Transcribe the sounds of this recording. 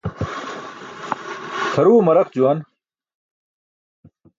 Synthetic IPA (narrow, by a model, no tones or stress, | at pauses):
tʰɐɾuːmɐɾɐq̚d͡ʑuwɐn